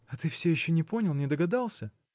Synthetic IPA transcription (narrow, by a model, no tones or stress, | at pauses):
ɐt̪ɨfsʲejɪɕːonʲɪpo̞nʲɪlˠnʲɪd̪əɡɐd̪ɑlˠsʲə